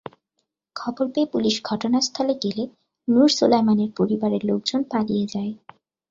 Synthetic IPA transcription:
kʰɔboɾpeːpuliʃɡʱɔʈonast̪ʰɔleɡele | nuɾsulejmaneɾpoɾibaɾeɾlok̚d͡ʑonpalijed͡ʑae

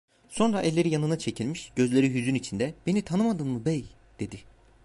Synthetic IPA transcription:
so̞nɾaʔɛlʲːe̞ɾijanɯnat͡ʃʰe̞cʰilʲmiʃɟ̥øzlʲe̞ɾiɦyzynit͡ʃʰind̪ɛb̥e̞nit̪ʰanɯmad̪ɯnmɯbɛj | d̪̥e̞d̪i

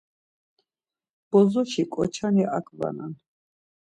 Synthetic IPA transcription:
b̥ɔzɔʃikʼɔt͡ʃʰaniʔakʰʼva̰na̰n

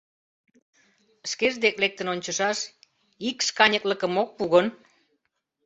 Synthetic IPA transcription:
əʃkeʒd̪eklek̚t̪ənonʲt͡ɕəʃɑʃ | ikskɑnʲəklə̆kə̆mok̚puɣən

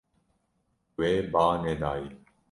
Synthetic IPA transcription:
weːbaːned̪aːi

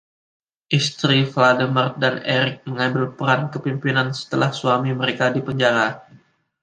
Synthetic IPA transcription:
ʔist̪ɾifladəmər̚daneɾɪk̚məŋambɪlpəɾankəpimpinansə̥t̪əlahsuamiməɾekadipəɲd͡ʒaɾa

